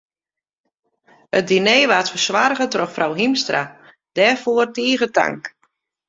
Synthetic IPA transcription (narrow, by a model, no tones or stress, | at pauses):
ət̚dineːʋaːtfərsʋarɣətroxfrawɦimstra̰ | d̥ɛːrfoərtiːɣəta̰ŋk